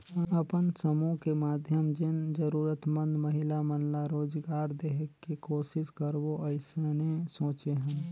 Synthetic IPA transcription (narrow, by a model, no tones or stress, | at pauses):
əpənsəmõkemaːd̪ʱjəmd͡ʒjənd͡ʒəɾuːɾət̪mə̃nd̪məɦɪlamənlaɾoːd͡ʒɡaːɾd̪eːɦəkːikoːsɪskəɾboəɪsenesõːt͡ʃeɦə̃m